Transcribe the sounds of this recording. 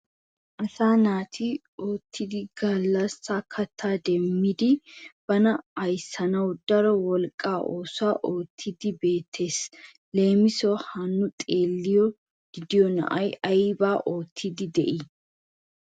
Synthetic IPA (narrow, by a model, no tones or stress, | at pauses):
ʔɐsaːnaːt̪ʰi | oːt̪ʰːɪd̪ɪɡɐlːɐsːaːkʰɐt̪ʰːaːd̪ɛmːɪd̪ɪb̥ɐnɐɐjsːɐnɐwd̪̥ɐɾɔwɔlkʼːaːʔoːsaːʔo̞ːt̪ʰːɪd̪ɪbe̞ːt̪ʰːe̞ːs | le̞ːmɪsoːhɐnːʊt̪ʼe̞ːlːɪjɔ | ɡ̥ɪd̪ɪjɔnɐ̰ʔɐjɐjɪbaːʔo̞ːt̪ʰːɪd̪ɪd̪ɛ̰ʔɪ